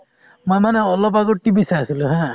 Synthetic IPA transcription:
mojmaneɔlɔpaɡɔʈibisasilũɦɛ̃

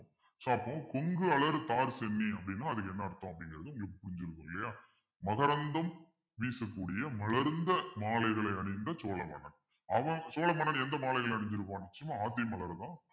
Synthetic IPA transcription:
saːɐpːõːkɔŋɡɯɐɭɐɾt̪aːɾsɛnːiɐpːɐɽɪnːaːɐðɯkːɛnːɐɐɾɯt̪ːõːɐpːɐɽɪŋɡɪɾɐðɯʊŋɡepːʊɽɪɲd͡ʒɪɾɯkːɯ̰ŋɡɪlɐjaː | mɐɣɐɾɐnd̪ɐm | ʋiːsɐkːuːɽɪjɐmɐlɐɾnd̪ɐmaːlɐɪɣɐɭɐɪɐɳɪnd̪ɐt͡ʃoːlɐmɐ̰ɳɐn | ɐʋɐ̃t͡ʃoːlɐmɐɳɐnɛnd̪ɐmaːlɐɪɣɐɭɐɐɳɪɲd͡ʒɪɾɯp̬ːaːnnɛt͡ʃːɐjɐmaːaːt̪̬ːɪjɐmɐɭɐɾt̪ãː

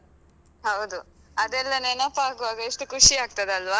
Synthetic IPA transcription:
hɐwd̪u | ɐd̪ɛlːɐnenɐpːaːɡuʋaːɡɐeʂʈukuʂiaːɡ̚t̪ɐd̪eɐlʋaː

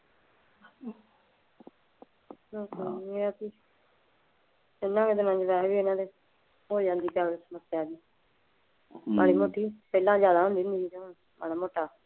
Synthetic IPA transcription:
nõːka̰ːmĩaːt̪iː | ɪnːãːked̪emə̃nd͡ʒʋɛːɦʋiːɪnãːd̪eː | ɦoːd͡ʒãːnd̪iːkaːesəməsɪjaːd͡ʒiː | maːɽiːmoːʈʰiːpɛːlãːzjaːd̪aːɦõnd̪iːɦnd̪iːit̪o | maːɽaːmoːʈaː

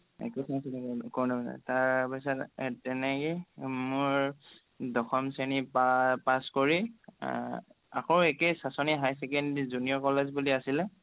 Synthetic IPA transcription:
ɛ̰kusʰasilɛkɔɹnɔnɛ̰taɹpasɔttɛnɛkemʊɹ | dɔxɔmsenippaskɔɹi | a̰kɔɹɛkɛsasɔniɦajsɛkɛndzuniɔkɔlezbuliasilɛ

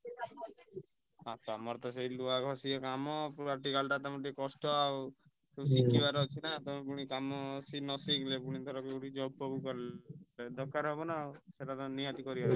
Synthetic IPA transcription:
at̪ɔamɔɾɔt̪ɔs̬eiluakɔsiɔkamɔpaʈikalʈat̪ɔmɔʈikɔsʈɔaw | kesikibaɾɔt͡ʃʰinat̪ɔmẽpuɽ̃ikamɔsinɔsiklepuɽ̃it̪ʰɔɾɔkeuʈid͡ʒɔbɔɡukɔɾ | d̪ɔkːaɾɦebɔnaseʈat̪ɔnijat̪ikɔɾibaɾ

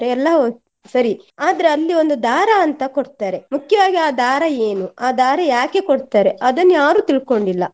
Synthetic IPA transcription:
ɾeɛlːɐ | sɐɾi | aːd̪ɐɾeɐlːio̞nd̪ud̪aːɾɐɐnt̪ɐkoɽt̪aːɾe̞mukjɐʋaːɡiaːd̪aːɾɐe̞ːnuaːd̪aːɾɐjaːke̞koɽt̪aːɾe̞ʔɐd̪ɐnːjaːɾuːt̪iɭko̞ɳɖilːɐ

